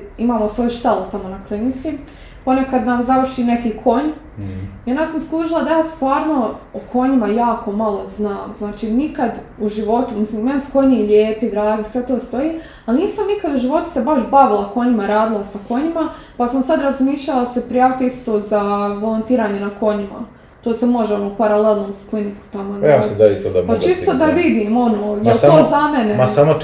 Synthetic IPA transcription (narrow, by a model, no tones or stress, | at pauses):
imaːlasʋo̞ːjuʃt̪elut̪amo̞naklinit̪si | po̞ne̞kad̪namzaʋr̩ʃiːne̞kiːkʰo̞ɲ | iond̪asamslˠuːʒilˠad̪ajaːst̪ʋaːɾno̞okʰo̞ɲimajaːko̞malˠo̞znaːmznaːt͡ʃiːnikad̪uʒiʋo̞t̪umisliːmensko̞ɲiʎeːpid̪ɾaːɡisʋe̞t̪o̞ːst̪o̞jiː | alniːsamnikad̪uʒiʋo̞t̪u̥se̞baʃbaʋilˠako̞ɲimaɾaːd̪ilˠasako̞ɲima | pasamsad̪ɾazmiːʃʎalasepɾijaːʋit̪eist̪oːzaʋo̞lˠont̪iːɾaːɲe̞nako̞ɲima̰ | t̪oːsemo̞ʒeo̞noːpaɾalelˠnoːmskliniku̥t̪amonjaːmsid̪aist̪od̪apat͡ʃist̪od̪aʋid̪iːmo̞noːjelt̪oːzamenesamo